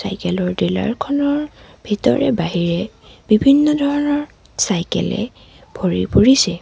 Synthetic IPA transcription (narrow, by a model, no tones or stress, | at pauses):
sa̰jkɛlɔɹdila̰ɹkʰɔnɔɹ | bʱitɔ̰ɹɛbaɦiɹɛ | b̥ibʱinːɔdʱɔɹɔnɔɹ | sajkɛ̰lɛ̰ | bʱoɹḭpoɹisɛ